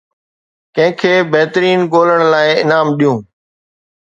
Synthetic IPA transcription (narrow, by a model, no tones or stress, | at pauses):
kɐ̃ɦɪ̃kʰeːbɛɦt̪ɾiːnɠoːləɽ̃laːɪɪnaːmɗijũː